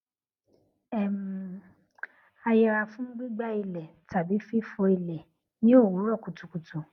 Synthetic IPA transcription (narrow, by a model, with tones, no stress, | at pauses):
ɛ˦˨m̩˨ | a˧jɛ˧ɾa˧fũ˦ɡ͡bi˦ɡ͡ba˦i˧lɛ˨ta˨bi˨˦fi˦fo˧i˧lɛ˨ | nĩ˦o˦˨wũ˨˦ɾɔ˦˨ku˨tu˨ku˨tu˨